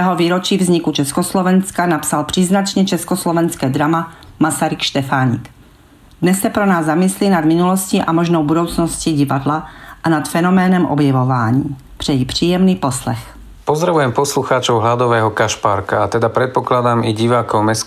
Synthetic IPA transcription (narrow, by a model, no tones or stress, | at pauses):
ɛɦoviːɾot͡ʃiːvzɲɪkut͡ʃɛskoslovɛnskanapsalpr̝̥iːznat͡ʃɲɛt͡ʃɛskoslɔvɛnskɛːd̪ɾamamasaɾikʃt̪ɛfaːɲɪ̰k | d̪nɛsːɛpɾonaːzːamɪslinad̪mɪnulosciʔamoʒnowbudowt͡snosciɟivadlaʔanat̪fɛnomɛːnɛmʔɔ̰bjɛvovaːɲiː | pr̥ɛjipr̝̥iːjɛmniːposlɛ̰x | pɔzd̪ɾaʋujɛmpɔsluxaːt͡ʃɔʊɦlad̪ɔʋɛːɦɔkaʃpaɾka̰ːt̪ɛd̪apɾɛt̪̚pɔklad̪aːmiɟiʋaːkɔwmɛs